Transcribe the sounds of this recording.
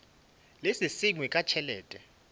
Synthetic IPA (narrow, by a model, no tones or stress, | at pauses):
lesisiŋwikʼat͡ʃʰɛlɛːtʼɛ